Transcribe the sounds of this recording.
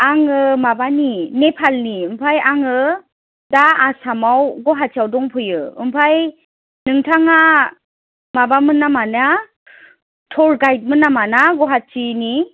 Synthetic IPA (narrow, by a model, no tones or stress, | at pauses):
aŋɯmabaninepʰalniɯmpʰajaŋɯ | daasamawɡɔɦasʰiawdɔŋpʰɯjɯɯ̰mpʰaj | nɯŋtʰaŋa | mabamɯnːamana | tʰɔɾɡajt̚mɯnːamanaɡɔɦat͡ʃini